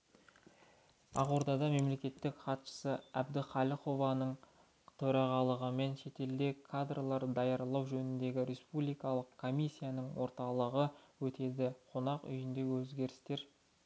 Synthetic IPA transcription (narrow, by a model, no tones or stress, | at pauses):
ɑʁuɾd̪ɑd̪ɑme̞mle̞kʲe̞t̪ːɪkχɑt̪ʃə̥səæb̚d̪ɪχɑlʲiχo̞vɑnəɴ | t̪ʰɵɾɑʁɑlˠəʁəme̞nʃe̞t̪e̞ld̪e̞kʰːad̪ralˠɑɾəd̪ɑjɑɾlˠɑwʒɵnɪnd̪e̞ɡʲɪɾʲʔe̞spublijkɑlˠəqkʰːo̞mʲisʲːijanəɴwo̞ɾt̪ɑlˠəʁəwɵt̪ʰe̞d̪ɪqʰonɑqʏ̰jɪnd̪e̞wɵzɡʲe̞ɾɪst̪e̞ɾ